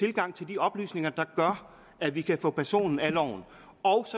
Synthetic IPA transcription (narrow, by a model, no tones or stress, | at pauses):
t͡sʰe̝lɡ̥ɑ̈ŋ̰t͡sʰe̝ld̥iɒ̽b̥ly̰ːsne̝ŋɐd̥ɑ̈ɡ̥ɶɐ | æʋikʰæfɔ̰̽ːpʰæɐso̝̰ːnn̩ælɒʊ̰n̩ | ɒʊsɒ̽